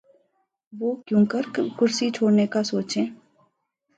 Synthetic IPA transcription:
ʋoːkjõːkəɾkʊɾsit͡ʃʰoːɽnekasoːt͡ʃẽː

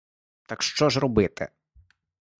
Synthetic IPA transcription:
t̪ɐkʃt͡ʃɔzrɔbɪt̪ɪ̰

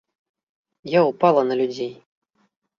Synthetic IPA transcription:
jaupalˠɐnɐlʲud͡zʲej

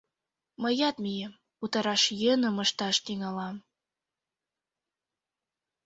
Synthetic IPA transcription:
məjɑt̪mijem | ut̪ɑɾɑʃjənə̆məʃt̪ɑʃt̪iŋɑlɑm

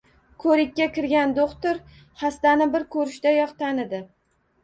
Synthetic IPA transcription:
kʰɵɾɪkʲːakʲɪɾɡʲand̪oχt̪ɪɾ | hast̪anɪbɪɾkʰɵɾɪʃd̪ajɒqt̪ʰanɪd̪ɪ

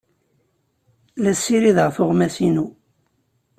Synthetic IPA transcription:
læsːiɾiðʁfʊʁmæsinu

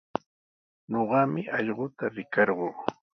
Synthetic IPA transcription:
ɲoɢɑmɪʔɑʎɢʊt̪aɾɪkɑɾɢoː

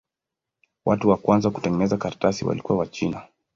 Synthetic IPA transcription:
watuwakwanzaku̥tɛŋɡɛnɛzakaɾatasiwa̰likuwawat͡ʃina

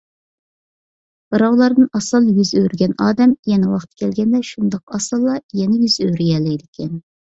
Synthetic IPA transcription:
bɨɾɑwlˠɑɾd̪ɨnɑsɨlˠjyzøɾɡʲɛnɑːd̪ɛmjɛnɛwɑχt̪kʲʰɛlɡʲɛnd̪ɛʃund̪ɑqɑsɨlˠːɑjɛnɛjyzøɥɾijɛlːɛjd̪ɪkʲʰɛn

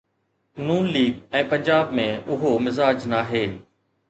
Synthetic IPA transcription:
nuːnliːɡɛ̃ːpɐ̃ɲd͡ʑaːbmẽʊɦomɪzaːd͡ʒnaːɦeː

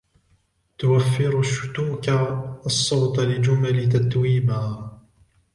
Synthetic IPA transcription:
t̪ʊwafːɪɾʊʃːʊt̪uːkaɑsˤːɑwt̪lɪd͡ʒʊmalɪt̪at̪wiːmaː

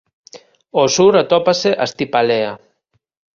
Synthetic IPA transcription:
osuɾat̪opaseʔast̪ipalea

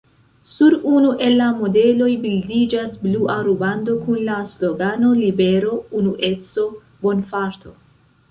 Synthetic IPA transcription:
suɾunuʔe̞lːamo̞de̞lo̞jbildid͡ʒasbluʔaɾubando̞kunlaslo̞ɡano̞libe̞ɾo̞unuʔet͡so̞ | bo̞nfaɾt̪ʰo̞

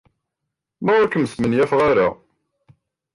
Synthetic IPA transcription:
mæʊɾkəmsmənjæfʁaɾa

